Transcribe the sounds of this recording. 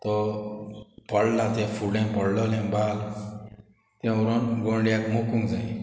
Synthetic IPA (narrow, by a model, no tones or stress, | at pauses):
t̪ɔ | pəɽlat̪ɛ̃fuɽɛ̃pəɽlɔlɛ̃bal | t̪ɛ̃uɾonɡõɳɖijakmokũŋd͡zã